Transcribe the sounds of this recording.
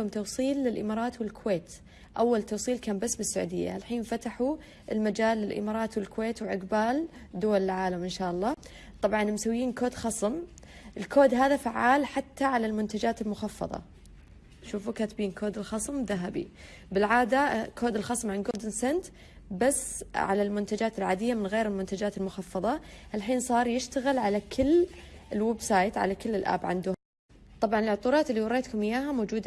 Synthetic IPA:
hʊmt̪ɑwsˤiːlːɪlʔɪmɑːɾˤɑːt̪wɪlkʊweːt̪ | ʔawːalt̪ɑwsˤiːlkaːmbasːbɪsːaʕṵːd̪ɪ̰jːa̰lħiːnfat̪aħu | ʔɪlmad͡ʒaːlːɪlʔɪ̰mɑːɾˤɑːt̪wɪlkʊweːt̪wɪʕɪqbaːld̪ʊwalɪlʕaːlamʔɪnʃaːʔɑlˤːɑː | t̪ˤɑbʕɑnmsawːiːnkoːd̪xɑsˤɨm | ʔɪlkʰoːd̪ɦaːðafaʕːaːlħat̪ːaʕalalmʊnt̪ad͡ʒaːt̪ɪlmʊxɑfːɑ̰ðˤɑ̰ | ʃuːfukat̪biːnkʰoːd̪ɪlxɑsˤmðaɦabḭ | bɪlʕaːd̪akʰoːd̪ɪlxɑsˤmʕanɡoːld̪ɪnsant̪ | basːʕa̰lalmʊnt̪ad͡ʒaːt̪ɪlʕaːd̪ɪjːamɪnɣeːɾɪlmʊnt̪ad͡ʒaːt̪ɪlmʊxɑfːɑðˤɑʔalħiːnsˤɑːɾˤjɪʃt̪aɣɪlʕalakʰɪlːɪlwɛbsˤɑːjt̪ʕa̰lakɪlːɪlʔa̰ːbʕa̰nd̪ʊ | t̪ˤɑbʕɑnɪlʕʊt̪ˤuːɾˤɑːt̪ɪlːiwɑɾˤːeːt̪kʊmɪjːaːɦamoːd͡ʒuːd̪a

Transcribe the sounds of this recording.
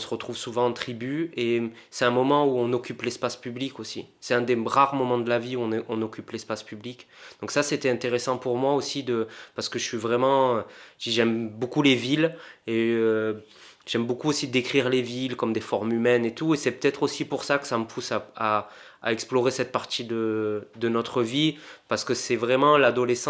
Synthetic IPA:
ɔ̃səʁət̪χuvsuvɑ̃ɑ̃t̪χibye | sɛt̪ɛ̃mɔmɑ̃uɔ̃nɔkʲyplɛspaspyblikosḭsɛt̪ɛ̃d̪eʁaʁmɔmɑ̃d̪əlaviuɔ̃ʔɔ̃nɔkʲyplɛspaspyblik | d̪̥ɔ̃ksaset̪ɛɛ̃t̪eʁesɑ̃puʁmwaosid̪əpaʁsə̥kəʒəsɥivʁɛmɑ̃ød̪iʒɛmbokulevileø | ʒɛmbokuosid̪ekχiʁlevilkɔmd̪efɔʁmymɛnet̪uesɛpø̥t̪ɛt̪χosipuʁsakə̥saməpʰusaa | a̰ɛksplɔʁesɛt̪̚paʁt̪id̪əd̪ənɔt̪χəvipaʁsə̥kəsɛvʁɛmɑ̃lad̪ɔlesɑ̃

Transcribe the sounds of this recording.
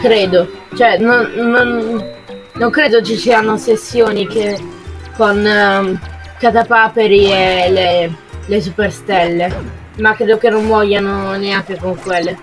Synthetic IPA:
kɾeːd̪ot͡ʃoɛnonːonː | oŋkɾeːd̪ot͡ʃisiːanosesːjoːnikekon | kat̪apaːpeɾiele | les̬uperst̪ɛlːe | makːɾeːd̪okenːoɱvɔʎːanoneaŋk̟ekoŋkwelːe

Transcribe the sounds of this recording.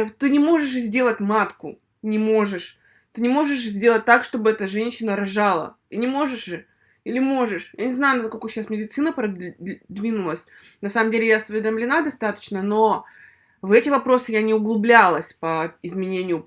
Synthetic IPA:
t̪ɨnʲɪmo̞ʐɨʂ̬zʲdʲe̞lˠətʲmat̪kʊ | nʲɪmo̞ʐɨʂ | t̪ɨnʲɪmo̞ʐɨʂzʲdʲe̞lˠət̚ʲt̪akʂt̪o̞bɨɛt̪əʐɛnʲɕːɪnəɾɐʐalˠə̰t̪ɨnʲɪmo̞ʐɨʂʐɨ | ilʲɪmo̞ʐɨʂjanʲɪznajʊnɐsko̞lʲkʊɕːasmʲɪdʲɪt̪sɨnəpɾɐd̪vʲinʊlˠəsʲ | nɐsaməmdʲelʲɪjasvʲɪd̪əmlʲɪnad̪ɐst̪at̪ə̥t͡ɕnəno̞ | vɛtʲɪvɐpɾo̞sɨjanʲɪʊɡlˠʊblʲalˠəsʲpəɪzmʲɪnʲenʲɪjʊ

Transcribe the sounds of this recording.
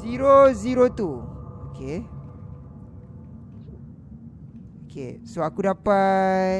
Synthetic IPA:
iɾoziɾot̪uoke | okḛsoakudapa

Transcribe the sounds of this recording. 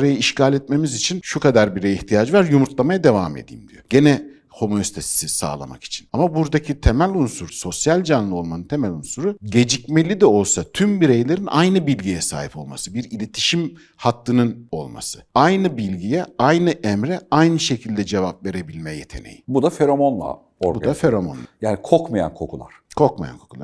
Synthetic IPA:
ɾajaiʃcaːlʲɛt̪̚me̞mizit͡ʃʰinʃukad̪aɾbiɾejiçt̪ʰijad͡ʒvaɾjumuɾt̪ʰlˠamajad̪e̞va̰ːmḛd̪ḭːḭmd̪ijo̞̰ɟe̞nɛ | ho̞mosit̪ʰesi̥sisa̰ːlˠa̰ma̰ki̥t͡ʃʰi̥namabuɾd̪acʰit̪ʰe̞mælʲunsuɾso̞sjalʲd͡ʒanlˠɯo̞lˠmanɯnt̪ʰe̞mælʲunsuɾuɟe̞d͡ʒicmelʲid̪ɛo̞lˠsat̪ʰymbiɾejlʲe̞ɾinʔa̰jnɯbilʲɟijɛsa̰ːhipo̞̰lˠma̰sɯbiɾilʲe̞t̪ʰi̥ʃim | hat̪lːɯnɯno̞̰lˠma̰sɯ̥ajnɯbilʲɟijɛajnɯʔɛmɾɛajnɯʃe̞cʰilʲd̪ɛd͡ʒe̞vap̚ve̞ɾe̞bilʲmɛjet̪ʰe̞̰nḛjibud̪afeɾomonlˠa̰ | oɾbud̪afeɾomonlˠa̰jaːnikʰokmaja̰nkʰo̞̰kʰulˠa̰ɾ̥kʰok̚maja̰nkʰo̞kʰulˠa

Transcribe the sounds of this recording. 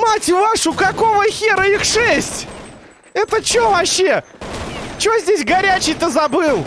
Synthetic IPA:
matʲjʊvaʂʊkɐkovəxʲeɾəixʂɛsʲtʲ | ɛt̪ət͡ɕɪovɐɕːe | t͡ɕɪozʲdʲesʲɡɐɾʲæt͡ɕɪjt̪əzɐbɨlˠ

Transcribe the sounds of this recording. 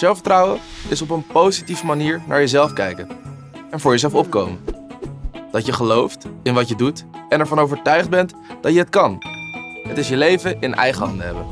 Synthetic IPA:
zɛlˠfətrɑwəɪsɔp̬ənpowzitivəmaniːɹnʔa̰ːɹjəzɛlˠfkɛjkən | ɛnvʊːɹjəzɛlˠfɔp̚kowmə | d̥ɑtjəχəlowftɪnʋɑtjədutɛnɛɹvɑnowvəɹtœɥχd̚bɛnt | d̥ɑtjəɦətkɑn | ɦətɪsjəlejvəʔɪnʔɛ̰jχəɦɑ̰ndəɦɛ̰bən

